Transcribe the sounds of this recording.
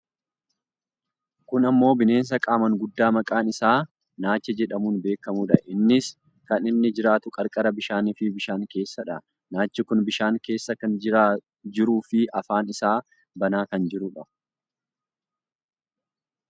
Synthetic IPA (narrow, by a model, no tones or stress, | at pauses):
kʊnɐmːo̞ːbɪne̞ːns̬ɐkʼaːmɐŋɡʊd̪ːaːmɐkʼaːnɪsaː | naːt͡ʃːɛd͡ʒɛᶑɐmuːnbe̞ːkːɐmuːᶑɐʔɪnːɪs | kɐnɪnːɪd͡ʒɪɾaːt̪ʊkʼɐɾkʼɐɾɐbɪʃaːnifɪbɪʃaːŋke̞ːsːɐᶑɐ | naːt͡ʃːɪkʊnbɪʃaːŋke̞ːsːɐkɐnɪɾaː | d͡ʒɪɾuːfɪʔɐfaːnɪsaː | bɐnaːkɐnd͡ʒɪɾʊᶑɐ